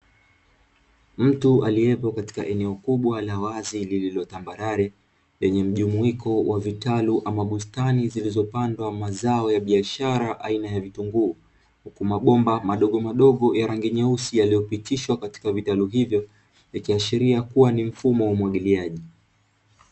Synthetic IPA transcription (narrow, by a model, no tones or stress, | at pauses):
m̩tualiɛpɔkati̥ka̰ʔɛnɛɔkuɓwalawazilililɔtambaɾaɾɛ | lɛɲɛm̩ʄumuikɔwʔavitaluʔamaɓustanizilizɔpandwamazaɔjaɓiaʃaɾaʔainajavituŋɡuː | hukumaɓɔmbamaɗɔɠɔmaɗɔɠɔjaɾaŋɡɛɲausijalijɔpitiʃwakati̥kavitaluɦivjɔ | jakiaʃiɾiakuwanim̩fumɔwaumwaɠiliaʄi